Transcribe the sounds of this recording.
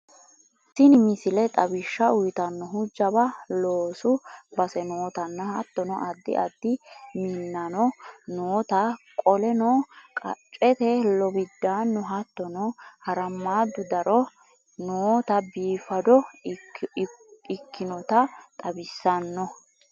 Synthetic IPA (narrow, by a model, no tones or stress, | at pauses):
sɪnɪmɪsɪlɛt̪ʼɐbɪʃːɐʊjt̪ɐnːɔɦʊd͡ʒːɐbɐloːsʊbɐsɛnoːt̪ɐnːɐhɐt̪ːɔnɔʔɐd̪ːɪ̰ʔɐd̪ːɪmɪnːɐnɔnoːt̪ɐkʼɔlɛnɔkʼɐ̰t͡ʃʼɛt̪ɛlɔbɪd̪ːaːnːɔɦɐt̪ːɔnɔhɐɾɐmːaːd̪ːʊd̪ɐɾɔ | noːt̪ɐbiːfɐd̪ɔ | ɪkʰːɪnɔt̪ɐt̪ʼɐbɪsːɐnːɔ